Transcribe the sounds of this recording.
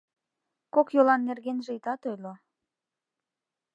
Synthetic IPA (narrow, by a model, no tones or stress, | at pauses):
kokjolɑnːerɣenʒĕit̪ɑt̪ojlo